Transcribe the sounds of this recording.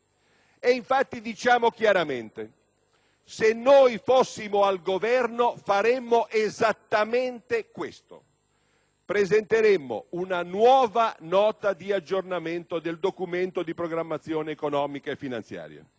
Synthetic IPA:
eiɱfat̪ːid̪it͡ʃaːmok̟jaɾament̪e | senːojfosːimoalɡovɛrnofaɾemːoʔezat̪ːament̪ekwest̪o̰ | pɾezent̪eɾemːo̰unanwɔːvanɔːt̪ad̪iad͡ʒːornament̪od̪eld̪okument̪od̪ipɾoɡɾamːat̪sːjoːneːkonɔːmikaefːina̰nt̪sja̰ːɾja̰

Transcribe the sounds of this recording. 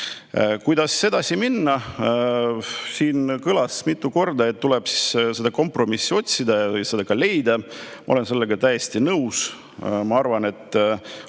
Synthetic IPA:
kujd̪ɑsːe̞d̪ɑsiminːɑ | siːnkɯlɑsmit̪ːˑuko̞rd̪ɑe̞t̪ːulɛb̥si̥sse̞d̪ɑko̞mpro̞misːio̞t̪ʲsid̪ɑjɑjɑsed̪̥ɑkɑle̞jd̪ɑmɑ̰ole̞nse̞lːeɡ̥ɑt̪æjest̪inɤws | mɑɑrvɑne̞t̪ːˑ

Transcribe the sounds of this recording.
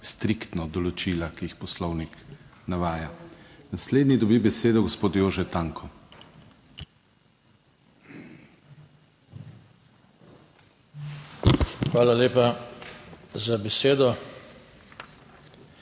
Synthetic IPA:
st̪ɾikt̪nɔd̪ɔlɔt͡ʃiːlakiixpɔslɔwniknaʋaːjanasleːd̪nid̪ɔbibɛseːd̪ɔɡɔspoːt̪joːʒɛt̪aːŋkʰɔ | xʋaːlaleːpa | zabɛseːd̪ɔ

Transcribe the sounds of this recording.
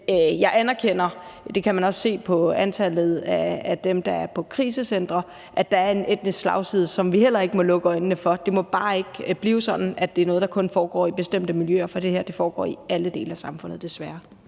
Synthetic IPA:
jɑ̈ɪʔænɐkʰen̰ɐd̥e̝kʰæmænɒ̽sːe̝̰ːpʰɒ̽ænt͡sʰæl̰ð̞̩ˠæːd̥emd̥ɑ̈æɐpʰɒ̽kʰʁiːsəsen̰d̥ʁɐ | ʔæ̥ɑ̈æɐe̝ned̥nislɑ̈ʊsið̰ˠsɒ̽mʋihel̰ɐe̝ɡ̥əmɒ̽lɔ̽ɡ̥əɒ̽ɪnnəfɒ̽d̥e̝mɒ̽b̥ɑ̈ːe̝ɡ̥b̥liːʊsɒ̽d̥n̩æd̥e̝æɐnɔ̽ːð̞̩ˠdɑkʰɔ̽nfɒːɡ̥ɒ̰ːib̥e̝sd̥em̰d̥əmiljøːɐfɒ̽d̥e̝heɐd̥e̝fɒːɡ̥ɒ̰ːiæləd̥e̝̰ːləæsɑ̈mfɔ̽n̰ð̩ˠd̥e̝sʋæɐ

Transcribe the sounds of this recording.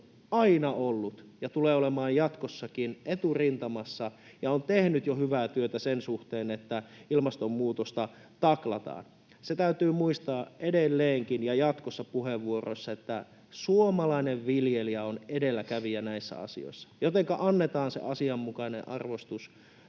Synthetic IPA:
ɑinɑolːut̪jɑt̪uleːolemɑːjjɑt̪kosːɑkinʔet̪urint̪ɑmɑsːɑ | jɑont̪ehnyt̪johyʋæːt̪yøt̪æsensuht̪eːnet̪ːæilmɑst̪ommuːt̪ost̪ɑ | t̪ɑklɑt̪ɑ̰ːn | set̪æyt̪yːmuist̪ɑːedelːeːŋkinjɑjɑt̪kosːɑpuheʋːuoro̰sːɑet̪ːæ | suomɑlɑineʋʋiljeliɑonedelːækæʋiænæisːæ̰ɑ̰sḭo̰isːɑ̥jot̪eŋkɑʔɑnːet̪ɑːnsḛʔɑsiɑmːukɑinḛ̃ʔɑrʋost̪us

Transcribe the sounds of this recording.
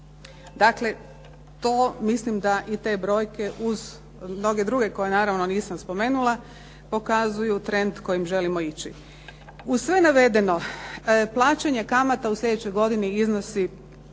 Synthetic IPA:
d̪akle̞ | t̪o̞ːmislimd̪aʔit̪e̞ːbɾo̞ːjke̞ʔuz | mno̞ɡe̞d̪ɾuɡe̞ko̞jenaːɾaʋno̞niːsamspo̞me̞ːnulˠa | po̞kazujut̪ɾe̞nd̪ko̞jimʒe̞limo̞it͡ɕi | usʋe̞naʋe̞d̪e̞no̞plˠaːt͡ɕeɲekamat̪auslʎʲe̞d̪et͡ɕo̞jɡo̞d̪iniizno̞si

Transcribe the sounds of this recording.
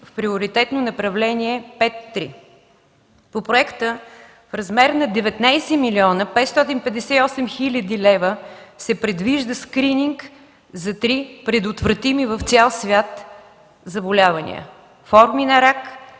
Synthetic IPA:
fpɾiʊɾit̪ɛt̪nonɐpɾɐvlɛniɛpɛt̪ːɾḭ | popɾoɛkt̪ə | fɾɐzmɛɾnɐd̪ɛvɛt̪najsɛmiliɔnəpɛt̪st̪ɔt̪̬inpɛd̪ɛsɛiɔsɛmxilʲəd̪ilɛvəsɛpɾɛd̪viʒd̪əskɾiniŋk | zɐt̪ɾipɾɛd̪ot̪vɾɐt̪imivəft̪sʲalˠsvʲat̪ | zɐbolʲavɐnḭə̰ | fɔɾminɐɾak

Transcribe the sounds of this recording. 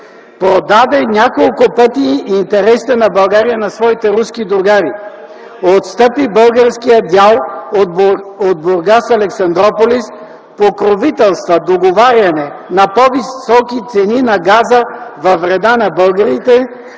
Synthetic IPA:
pɾod̪ad̪ɛnʲakolˠkʊpɤt̪iːnt̪ɛɾɛsi̥t̪ɛnɐbɐlˠɡaɾijənɐsvɔit̪ɛɾuskid̪ɾʊɡaɾi | ot̪st̪əpibɤlˠɡəɾskijəd̪ʲjalˠ | od̪̚boɾɡasɐlɛksɐnd̪ɾɔpolis | pokɾovit̪ɛlˠst̪vɐd̪oɡovaɾʲɐnɛnɐpovisɔkit̪sɛninɐɡazəvɐvɾɛd̪anɐbɤlˠɡəɾit̪ɛ

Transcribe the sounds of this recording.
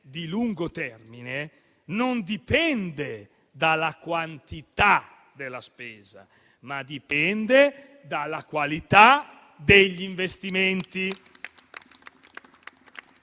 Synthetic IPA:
d̪iluŋɡot̪ɛrmine | nond̪ipɛnd̪e | d̪alakwant̪it̪a | d̪elaspɛːza̰ | mad̪ipɛnd̪e | d̪alːakwalit̪a | d̪eʎːiɱvest̪iment̪i

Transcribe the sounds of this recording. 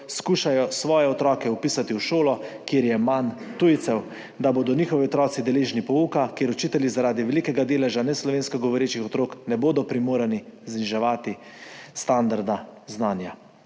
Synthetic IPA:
skuːʃajɔsʋɔːjɛɔt̪ɾɔːkɛupiːsat̪iwʃoːlɔkjeɾjɛman | t̪ujt̪sɛw | d̪aboːd̪ɔniːxɔʋiɔt̪ɾɔːt̪sid̪ɛleːʒnipɔuːkakjeːɾut͡ʃiːt̪ɛljizaɾaːd̪iʋɛlikɛɡad̪eːlɛʒanɛslɔʋeːnskɔɡɔʋɔɾeːt͡ʃixɔt̪ɾoːknɛboːd̪ɔpɾimoːɾanizniʒɛʋaːt̪i | st̪and̪aɾd̪aznaːnja

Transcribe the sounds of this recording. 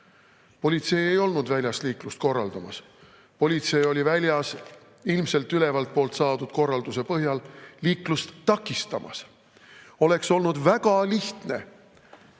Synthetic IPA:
po̞lʲit̪se̞je̞jo̞lnud̪̥vælʲjɑst̪liːklust̪̚ko̞rːɑld̪̥ɑmɑs | po̞lʲit̪se̞jo̞lʲivælʲjɑs | ilmse̞lt̪ːyle̞vɑlt̪̚po̞ːlt̪sɑːd̪ud̪̥ko̞rːɑld̪use̞pɤɦjɑlliːklust̪ːɑkːˑist̪ɑmʔɑ̰s | o̞le̞kso̞lnud̪væɡɑliht̪ne̞

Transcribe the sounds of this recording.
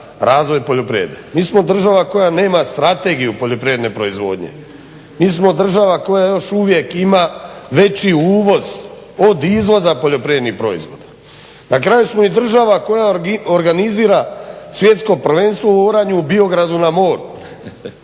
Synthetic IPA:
ɾaːzʋo̞jpoʎopɾiḛd̪ḛmiːsmo̞d̪r̩ʒaʋako̞jane̞ːmast̪ɾat̪e̞ɡijupo̞ʎo̞pɾijed̪ne̞pɾo̞izʋo̞̰ːd̪ɲe̞̰ | miːsmo̞d̪r̩ʒaʋako̞jajo̞ʃuʋje̞kimaʋe̞t͡ɕiuːʋo̞z | o̞d̪izʋo̞zapo̞ʎo̞pɾijed̪nixpɾo̞ḭzʋo̞̰d̪ḁ | nakɾajusmo̞id̪r̩ʒaʋako̞jaoɾɡaniziːɾasʋje̞t̪sko̞pr̩ʋe̞nst̪ʋouoɾaɲuubio̞ɡɾad̪unamo̞ːɾ

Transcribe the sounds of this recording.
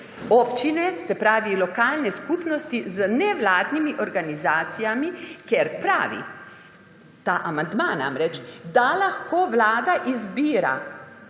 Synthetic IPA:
ɔːpt͡ʃinɛsɛpɾaːʋilɔkaːlnɛskuːpnɔst̪izənɛʋlaːd̪nimiʔɔɾɡanizaːt̪sijamikɛɾpɾa̰ːʋḭ | t̪aːʔamand̪mana̰mɾɛt͡ʃd̪alaxkoːʋlaːd̪aʔizbiːɾa̰

